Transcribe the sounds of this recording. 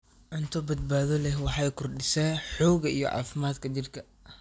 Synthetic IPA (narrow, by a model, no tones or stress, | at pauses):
ʕʊnt̪ʰɔbɐd̪̚baːðɔlɛɦwɑħɑjkʰʊrɖɪsɛːnħuːɣɐijɔ̰ʕɑ̰ːfɪmaːd̪kʰɐt͡ʃɪrkʰɐ